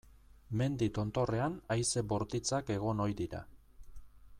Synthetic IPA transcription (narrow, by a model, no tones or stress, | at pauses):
me̞nd̪it̪o̞nt̪o̞re̞anajse̞bo̞ɾt̪it͡sake̞ɣ̞o̞no̞jd̪iɾa̰